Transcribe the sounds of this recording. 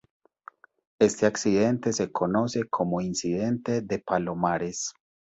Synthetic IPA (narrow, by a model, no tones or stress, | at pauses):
e̞st̪e̞aksiðe̞nt̪e̞se̞kʰo̞no̞se̞kʰo̞mo̞insiðe̞nt̪e̞ðepalo̞maɾe̞s